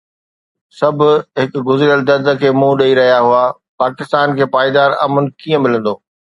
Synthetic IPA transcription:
sɐbʱʊɦɪkɡʊzɾjəld̪ʱɐd̪ʱə̆kʰeːmũːɗɐiɾɐɦijaɦua | paːkɪst̪aːnkʰeːpaːjd̪aːɾa̰ːmʊnkiːə̃mɪlə̃nd̪oː

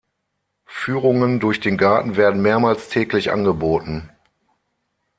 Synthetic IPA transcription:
fyːʁʊŋəndʊɐçd̥eːnɡaɐtn̩veːɐdn̩meːɐmaːlstʰɛːklɪçʔa̰nɡəboːtn̩

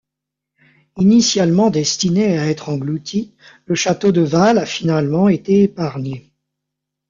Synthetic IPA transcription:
inisjalmɑ̃d̪ɛst̪ineaɛt̪χɑ̃ɡlut̪ʰi | ləʃat̪od̪əvalafinalmɑ̃et̪eːpaʁɲe

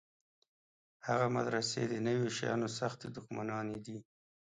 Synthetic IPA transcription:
haɣama̰d̪ɾasḛd̪ənəwjoʃajɑ̰nosaxt̪ed̪ʊxmanɑned̪i

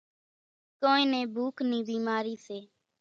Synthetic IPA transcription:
koːĩːnẽːbʱuːkʰnĩːbiːmaːɾiːseː

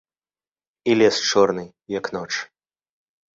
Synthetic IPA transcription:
ilʲɛst͡ʂɔrnɨ | jaknɔt͡ʂ

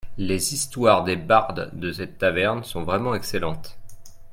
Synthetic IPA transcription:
lezist̪waʁd̪ebaʁd̪d̪əsɛt̪ːavɛʁnsɔ̃vʁɛmɑ̃ɛkselɑ̃t̪

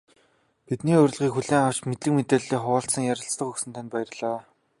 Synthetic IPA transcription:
pit̪niːʊɾ̆ʲɮʁiːkxuɮeːŋaw̥t͡ɕmet̪ɘ̆kmet̪eːɮiːχʊə̆ɬsə̆ŋjæɾʲə̆ɬt͡st̪ə̆χuxsɘ̆nt̪ʰanʲpæjɪ̆rɮaː

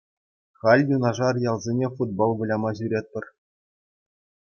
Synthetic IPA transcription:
χɑlʲjunɑʐɑrjɑlˠzʲenʲefud̪̚bolˠʋɤ̆lʲɑmɑʑyɾʲet̪̚pʲɘ̆r

